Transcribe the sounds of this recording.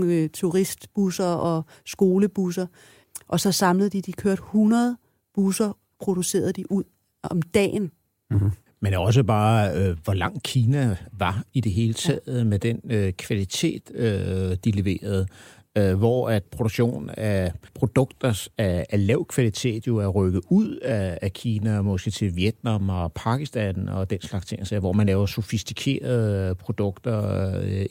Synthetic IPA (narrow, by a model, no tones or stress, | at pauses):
t͡sʰuʁisd̥b̥usɐɒ̽ | sɡ̥o̝ːləb̥us̬ɐ | ʔɒ̽sɒ̽sɑ̈mləð̩ˠd̥id̥ikʰøɐd̥hunɐð̞̩ˠ | b̥usɐ | pʰʁo̝d̥use̝̰ːɐð̞̩ˠd̥iʔuð̰ˠ | ɒ̽md̥ɛ̰ːn | menɒ̽s̬əb̥ɑ̈ːøʋɒlɑ̈ŋ̰̥̚kʰiːnæʋɑ̈id̥e̝ɦe̝ːlət͡sʰɛðˠmed̥enøkʰʋælit͡sʰe̝̰ːd̥ød̥iliʋe̝̰ːɐð̞̩ˠ | ʋɒæd̥pʰʁo̝d̥oɡ̥ɕo̝̰ːnæpʰʁo̝d̥ɔ̽ɡ̥d̥ɐsæælɛʊ̰kʰʋælit͡sʰe̝̰ːd̥jo̝æʁœɡ̥əuð̰ˠæːkʰiːnæmɒ̽sɡ̥ət͡sʰe̝lʋjed̥̚nɑ̈mɒpʰɑ̈ɡ̥isd̥ænɒ̰d̥enslɑ̈ɡ̥st͡sʰe̝ŋ̰ʔæsɛʋɒmænlɛːʊɐso̝fisd̥ikʰe̝̰ːɐð̩ˠpʰʁo̝d̥ɔ̽ɡ̥d̥ɐ